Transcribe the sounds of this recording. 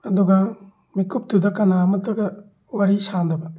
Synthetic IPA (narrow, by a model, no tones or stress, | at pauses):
ɐd̪uɡa | mikup̚tudɐkɐnamɐt̪ɐɡɐ | waɾisand̪ɐbɐ